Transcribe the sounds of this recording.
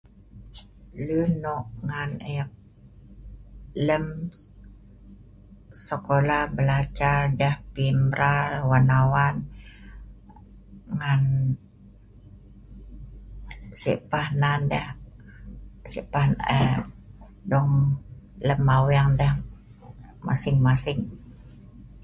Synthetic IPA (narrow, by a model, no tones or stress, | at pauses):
lunɔʔŋanɛk̚ | ləm | səkolahbəlat͡ʃardɛhpimɾalwanawan | ŋan | sḭʔpahnandɛh | sḭʔpahn | dɔŋləmawaŋdɛh | ma̰sɪŋmasɪŋ